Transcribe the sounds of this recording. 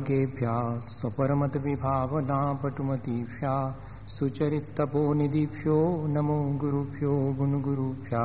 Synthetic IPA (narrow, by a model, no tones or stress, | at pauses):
ɡeːpjaːsɐpɐɾɐmɐt̪ɐʋibʱaːʋɐnaːpɐʈumɐt̪iːpʰjaː | sut͡ʃɐɾit̪ːɐpoːnid̪ipʰjoːnɐmoɡuɾupʰjoːbunuɡuɾupʰjaː